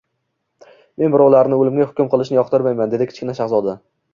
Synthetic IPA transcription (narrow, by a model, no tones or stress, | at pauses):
me̞nbɪɾɒwlaɾnɪolɪmɡʲahʊkʲʊmqɨlˠɪʃnɪjɒqʰt̪ʰɪɾmajmand̪e̞d̪ɪkʰʲɪ̥t͡ʃkʲɪnaʃaχzɒd̪a